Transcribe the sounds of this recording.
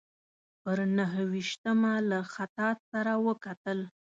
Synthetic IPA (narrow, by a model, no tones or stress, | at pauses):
pəɾnaɦwiʃt̪əmalaxat̪ɑt̪saɾawəkat̪əl